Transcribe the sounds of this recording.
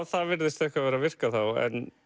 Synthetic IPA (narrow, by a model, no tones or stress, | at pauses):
vθavɪɾðɪst̪ɛhkvavɛːɾavɪr̥kaθawɛ̰n